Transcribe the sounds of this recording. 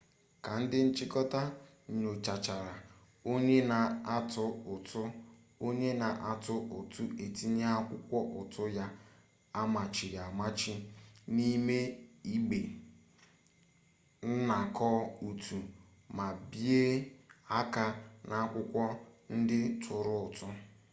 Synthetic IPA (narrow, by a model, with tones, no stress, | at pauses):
ka˨n̩˦dɪ˦n̩˦t͡ʃɪ˦kɔ˦ta˦˨ | ɲo˨t͡ʃa˨t͡ʃa˨ɾa˨ | o˦ɲe˦na˨a˦tʊ˦ʊ˨tʊ˦ | o˦ɲe˦na˨ʔa˨tʊ˦ʔʊ˨tu˦e˨ti˦ɲe˦a˦kʷʊ˦kʷɔ˦ʔʊ˨tʰʊ˦ja˦ | a˦ma˨t͡ʃɪ˨ja˨ma˦t͡ʃɪ˦ni˦me˦i˦ɡ͡be˨ | n̩˦na˨kʰɔ˦u˨tʰu˨ | ma˨bje˦a˦ka˨na˨a˦kʷʊ˦kʷɔ˦n̩˦dɪ˦tʰʊ˨ɾʊ˦ʊ˨tʊ˦